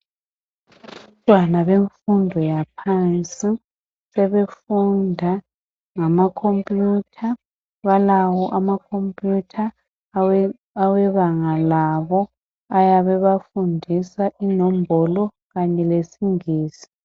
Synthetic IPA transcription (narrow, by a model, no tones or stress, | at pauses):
tʼwanaβeɱfundʱɔjapʰant͡sʼi | sɛβefundʱa | ŋamakʰompʼjutʰa | βalawɔʔamakʰompʼjutʰa | awɛβaŋalaβɔ | ajaβɛβafundʱisaʔinɔmbʱɔlɔ | ɣaɲɛlesiŋiːsi̥